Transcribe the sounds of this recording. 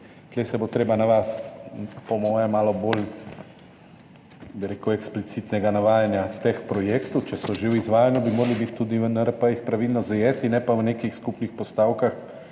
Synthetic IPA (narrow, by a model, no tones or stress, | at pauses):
t̪lɛsɛbot̪ɾeːbanaʋast̪pɔmɔːjɛmaːlɔbol | biɾeːkəwɛksplit̪sit̪nɛɡanaʋaːjanjat̪expɾɔjeːkt̪ɔt͡ʃɛsɔʒewizʋaːjanɔbimoːɾalibit̪ːuːd̪inaɾpajixpɾaʋilnɔzajeːt̪inɛpaʋneːkixskupnixpɔst̪aːwkax